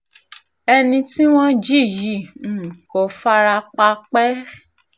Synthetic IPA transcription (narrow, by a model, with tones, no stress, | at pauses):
ɛ˧nĩ˧ti˦w̃ɔ̃˦d͡ʒi˦˨ji˨˦˨n̩˦˨kɔ˨˧fa˦ɾa˧k͡pa˧k͡pɛ˦